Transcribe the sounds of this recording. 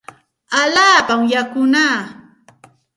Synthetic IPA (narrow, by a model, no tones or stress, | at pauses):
aʎaːpamjakʊnaː